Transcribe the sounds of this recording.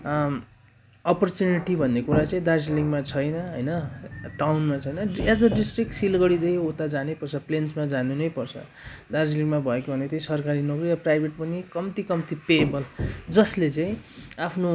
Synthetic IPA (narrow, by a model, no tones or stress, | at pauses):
ʌpʌrt͡sjuniʈibʱʌnːekuɾat͡saĩd̪ard͡ziliŋɡmat͡sʰʌjnʌɦʌjnʌʈawnmat͡sʰʌjnʌesd̪ʌɖisʈrik̚ʈsilɡʌɽid̪ʌkot̪ad͡zanepʌrt͡sʰʌplensmad͡zanunʌjpʌrt͡sʰʌ̰ | d̪ard͡ziliŋɡmabʱʌekobʱʌnet̪ʌĩsʌrkaɾinʌɡriʌprajbʱeʈ̚pʌnikʌmt̪ikʌmt̪ipebʌld͡zʌslet͡saĩapʰno